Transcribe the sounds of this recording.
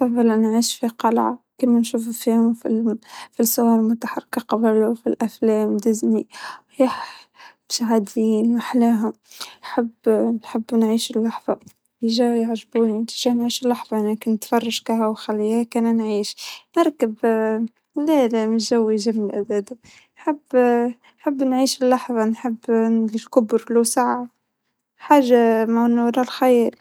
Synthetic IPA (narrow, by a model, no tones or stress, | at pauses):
fɑðˤːɑlʔænʕiːʃfiqɑlʕɑ̰kimænʃuːfufihʊmfifisʊwɑɾlmʊt̪aħɑrˤːɪkɑqɑbluwfilʔæflɛːmd̪ɪzni | jaħ | ʃaɦad̪iːnwaħlæːɦʊmħabːnħabːnʕiːʃɪlːɑħðˤɑ | jɪʒæjaʕʒbunt̪iʒænʕiːʃɪlːaħðˤɑnækɪnːət̪fɑrˤːɑʃkaɦawxalːiːhækænænʕiːʃnɪɾˤkəb | læːlmɪʒæwːiʒamːɪlʔæd̪æd̪a | nħabː | ħabːnʕiːʃɪlːaħðˤɑnħɪbːnlilkʊbɾlusaʕʕa | ħaːʒːamaʕnːʊɾˤɑlxajɾ